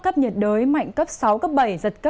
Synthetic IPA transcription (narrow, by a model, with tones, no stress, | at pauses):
kə˦˥p̚ɲə˨˩t̚ɗəː˨˦jma̰˧˨jŋ̟kə˦˥p̚sa˨˦wkə˦˥p̚ɓə˧˩jzə˨˩t̚kə˦˥